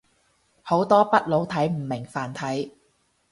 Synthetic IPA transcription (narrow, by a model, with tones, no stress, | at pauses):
ho˨˥wt̪ɔː˥pɐ˥t̚lo˨˥wt̪ʰɐ˨˥jm̩˨˩mɪ˨˩ŋfaː˨˩nt̪ʰɐ˨˥j